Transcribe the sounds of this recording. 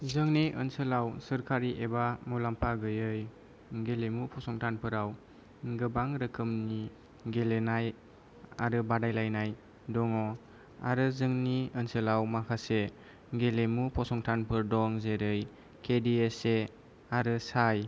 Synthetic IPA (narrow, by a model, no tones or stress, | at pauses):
zɯŋniʔənsɯlawsɯɾkʰaɾiʔebamulampʰaɡɯjɯj | ɡelemupʰɔsɔŋtʰanpʰɯɾaw | ɡɯbaŋɾɯkʰɯmni | ɡelenaj | a̰ɾɯbadajlajnaj | dɔŋɔ | a̰ɾɯzɯŋniənsɯlawmakʰase | ɡelemupʰɔsɔŋtʰanpʰɯɾdɔŋzeɾɯj | kʰediese | aɾɯsaj